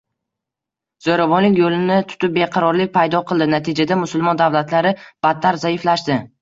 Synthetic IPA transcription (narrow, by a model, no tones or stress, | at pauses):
z̥oɾavɒnlɪkʲjolɪnɪt̪ʰʊ̥t̪ɪp̚beqʰɑɾɒɾlɪk̚ʲpʰajd̪ɒqʰɨlˠd̪ɪnat̪ʰid͡ʒad̪amʊsʊlˠmɒnd̪avlat̪laɾɪb̥at̪ʰːaɾzaɪflaʃd̪ɪ